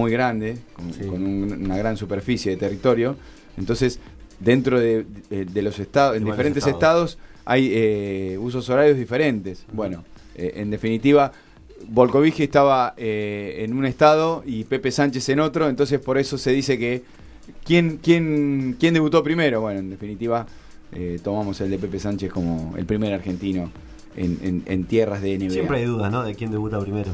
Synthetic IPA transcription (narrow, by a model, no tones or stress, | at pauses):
ujɣɾand̪e̞konkonunnaɣɾansupeɾfisjeðet̪erit̪o̞ɾjo̞ | ent̪o̞nse̞s | d̪e̞nt̪ɾoðed̪eloseht̪aðoend̪ifeɾeneset̪aðo̞sa̰jeus̬o̞so̞ɾaɾjo̞zðife̞ɾe̞nt̪e̞sbwe̞no̞ | ḛʔḛnd̪e̞finit̪iβa | βo̞lkoβixieht̪aβaeːnuneht̪að̞o̞ipe̞pesant͡ʃe̞seno̞t̪ɾo̞ent̪o̞nsespo̞ɾe̞so̞se̞ðise̞ke | kjeŋkje̞ŋkjend̪eβut̪opɾime̞ɾo̞βwe̞noe̞nd̪efinit̪iβa | et̪o̞mamo̞se̞ld̪ep̬e̞pe̞sant͡ʃeko̞mo̞̰ḛlpɾimeɾaɾxe̞nt̪ino | ḛnḛnḛnt̪jeraɦðeːneβejempɾeajðuðanoðekjend̪eβut̪apɾimeɾo